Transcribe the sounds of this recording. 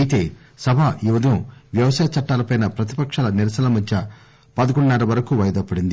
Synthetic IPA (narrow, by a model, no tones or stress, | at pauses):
ɐjit̪e̞ː | sɐbʱaʔiʋɐd̪ʱɐɐʋjɐʋɐsaːjɐt͡ʃɐʈːaːlɐpɐjnɐpɾɐt̪i̥pɐkʂaːlɐniɾɐsɐlɐmɐt͡ʃːɐ | pɐd̪ɐɡuɳɖunɛːɾɐʋɐɾɐkuʋɐjɐd̪ɐpːɐɽind̪i